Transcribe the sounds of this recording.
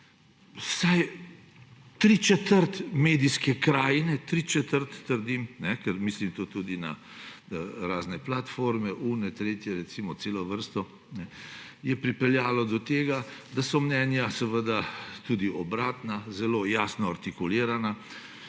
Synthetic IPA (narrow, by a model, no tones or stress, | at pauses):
saj | t̪ɾit͡ʃɛt̪əɾt̪meːd̪iskɛkɾaːjnɛt̪ɾit͡ʃɛt̪əɾt̪ːəɾd̪imnɛkɛɾmislimt̪oːt̪uːd̪ina̰ | ɾaːznɛplat̪foɾmɛʔunɛt̪ɾeːt̪jɛɾɛt̪simɔseːlɔʋəɾst̪ɔ | nɛ | jɛpɾipɛljaːlɔd̪ɔt̪eːɡad̪asɔmnɛnjasɛʋəd̪at̪uːd̪iʔɔbɾaːt̪nazɛloːjaːsnɔaɾt̪ikuliːɾana